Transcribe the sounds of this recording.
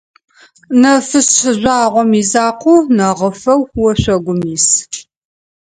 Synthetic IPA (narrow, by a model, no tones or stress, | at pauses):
nɐfɨsʒʷaːʁʷɔmizaːqʷuːnɐʁəfɐwxwɔɕʷɐɡʷʊmiːs